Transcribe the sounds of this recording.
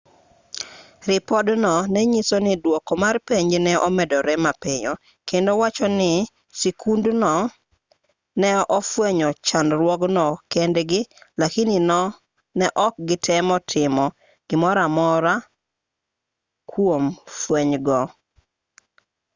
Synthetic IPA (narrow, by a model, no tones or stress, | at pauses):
ɾɪpɔdnɔnɛɲisonɪdwɔkɔmarpeɲd͡ʒnɛʔɔmɛdɔɾɛmapeɲɔ | kendowat͡ʃɔnɪ | sikʰundnɔ | nɛʔɔfweɲɔt͡ʃanɾwɔɡnɔkɛndɡɪlakininɔ | nɛʔɔk̚ɡɪtʰɛmɔtʰɪmɔ | ɡ̥ɪmɔɾamɔɾa | kʰwomfweɲɡɔ